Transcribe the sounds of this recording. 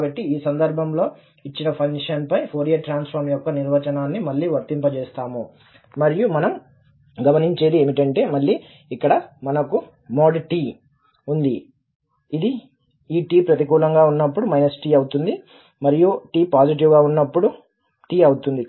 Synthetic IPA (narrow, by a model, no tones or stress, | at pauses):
kaːbɐʈːiiːsɐnd̪ɐɾbʱɐmlo̞ː | it͡ʃːinɐpʰɐŋɡʂɐnpɐjpʰoːɾijɐʈɾaːnspʰɐɾmjɔkːɐniɾʋɐt͡ʃɐnaːnːimɐɭːiːʋɐɾt̪impɐt͡ʃɛːst̪aːmu | mɐɾijumɐnɐm | ɡɐmɐniɲt͡ʃeːd̪ieːmiʈɐɳʈe̞ːmɐɭːiː | kːɐɽɐmɐnɐku | moːɖʈiː | und̪i | id̪i | iːʈiːpɾɐt̪ikuːlɐŋɡaːunːɐpːuɽumɐjnɐsʈiːɐwut̪und̪i | mɐɾijuʈiːpaːd͡ʒiʈ̬iʋɡaːunːɐpːuɽu | ʈiːɐwut̪und̪i